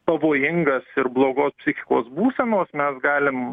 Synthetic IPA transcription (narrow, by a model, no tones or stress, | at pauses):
pɐʋoːjɪŋɡɐsɪɾblˠoːɡoːspʲsʲɪxʲɪ̥koːsbuːsʲɛnoːsmʲɛsɡɑːlʲɪm